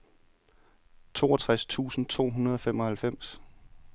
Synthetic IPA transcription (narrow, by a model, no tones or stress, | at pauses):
t͡sʰo̝̰ːɒt͡sʰʁast͡sʰṵːsn̩t͡sʰo̝̰ːɦunɐð̞ˠɒ̽femɒ̽hælfem̰s